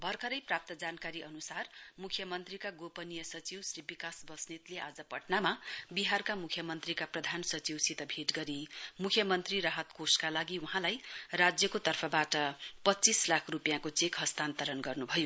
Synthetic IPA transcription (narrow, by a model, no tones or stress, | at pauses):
bʱʌrkʰʌɾʌjprap̚t̪ʌd͡zankaɾiʔʌnusarmukʰjʌmʌnt̪rikaɡopʌnijʌsʌt͡siwsribikasbʌsnit̪leʔad͡zʌpʌʈnamabiɦarkamukʰjʌmʌnt̪rikaprʌd̪ʱansʌt͡siwsit̪ʌbʱeʈɡʌɾimukʰjʌmʌnt̪riɾaɦʌt̪koskalaɡiuɦãlajrad͡zjʌkot̪ʌrpʰʌbaʈʌpʌtːt͡sislakʰrupjãkot͡sekɦʌst̪ant̪ʌɾʌnɡʌrnubʱʌjo